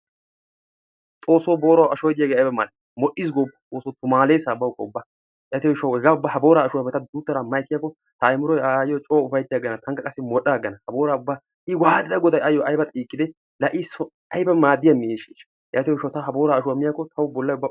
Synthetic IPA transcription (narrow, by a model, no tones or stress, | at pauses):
t̪ʼoːsoːbo̞ːɾwɐʃɔjd̪ɪjaːɡeːɐjbɐmaːd̪̚ɪ | mɔʔːɪːs̬ɡɔbt̪ʼoːsot̪ʊmaːleːsaːbɐʊkːɔʊbːa | jaːt̪ɪjɔjɪʃɐwhɛɡaʊbːaɦɐbo̞ːɾaːʃʊwɐmɛt̪ɐd̪ut̪ːɐɾamɐjɛkːɪjakːɔ | t̪ɐːjmʊɾɔjajjɔt͡ʃʼoːʊfɐjt̪ːɪjaɡɐnɐt̪ʰɐŋkːɐkʼɐsːɛmɔɗaɡɐnɐhɐbo̞ːɾaʊbːa | ɪwaːd̪d̪ɐɡɔd̪ɐjɐjːɔʔɐjbɐt̪ʼiːkːɪd̪ɛ | lɐʔisɔ | ɐjbɐmaːd̪ːɪjɐmɪeːʃiːʃ | jaːt̪ɪjɔɪʃɐt̪ɐɦɐbo̞ːɾaːʃʊwamɪjakːɔt̪ʰɐwʊbɔlːɐjʊbːa